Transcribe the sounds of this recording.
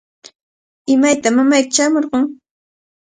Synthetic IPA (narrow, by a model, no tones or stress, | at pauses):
ɪmajt̪amamajk̪t͡ʃamoɾqoŋ